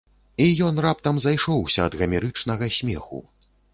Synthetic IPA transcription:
ijɔn̪rap̚t̪ɐmzajʂɔwsʲɐːd̪ɣɐmʲɛɾɨt͡ʂnɐɣɐsʲmʲɛxṵ

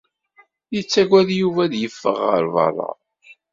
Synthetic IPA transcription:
jət͡sːæɡæðjuvæðjəfːə̰ʁːə̰ɾvɑ̰rˤːɑ̰

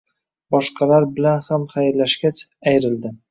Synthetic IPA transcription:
bɒʃqʰɑlaɾbɪlanhamχajɾlaʃɡʲat͡ʃajɾɪld̪ɪ

